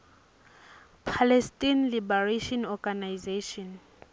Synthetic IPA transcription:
pʰalɛstʼinlibaraʃɔnɔɡanajzeʃɔn

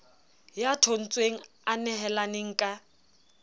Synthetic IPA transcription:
jatʰon̩t͡sʼweŋ̩ | anɛɦɛlaneŋ̩kʼa

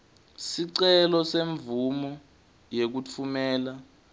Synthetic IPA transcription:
siǀɛlɔseɱvumɔ | jek̬ut͡fʰumɛːla

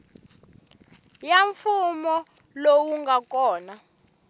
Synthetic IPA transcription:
jaɱfumɔ | lowuŋɡakɔːna

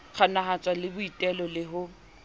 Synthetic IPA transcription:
k͡xʰanaɦat͡sʼwalɪbʊitʼɛlɔlɪɦʊ

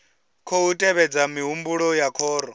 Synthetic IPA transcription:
kʰoutʼɛβɛd͡zamiɦumbuɺɔjakʰɔːɾɔ

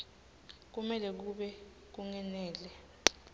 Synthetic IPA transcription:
k̬umɛlɛk̬uɓɛ | k̬uŋɛnɛːlɛ

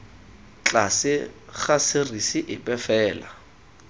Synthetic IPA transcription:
t͡ɬasɪχasɪrisɪʔɪpʼɛfɛːla̰

